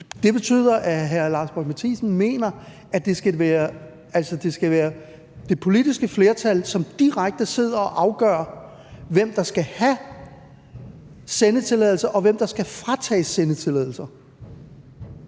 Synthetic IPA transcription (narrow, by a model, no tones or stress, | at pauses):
d̥e̝b̥e̝t͡sʰy̰ð̰ˠɐʔæɦæɐlɑ̈ːsb̥ɒd̥mæt͡sʰiːsn̩me̝̰ːnɐ | æd̥e̝sɡ̥æʋæːɐ | ælsɒd̥e̝sɡ̥æʋæːɐ | d̥e̝pʰo̝lid̥isɡ̥əfle̝ɐt͡sʰælsɒ̽md̥iʁaɡ̥̚d̥əse̝ð̞̰ˠɐɒ̽ʔɑ̈ʊɡ̥ɶ̰ːɐ | ʋem̰d̥ɑ̈sɡ̥æhæ | senət͡sʰe̝lɛðˠl̩sɐʔɒ̽ʋem̰d̥ɑ̈sɡ̥æfʁat͡sʰɛ̰ːsenət͡sʰe̝lɛðˠl̩sɐ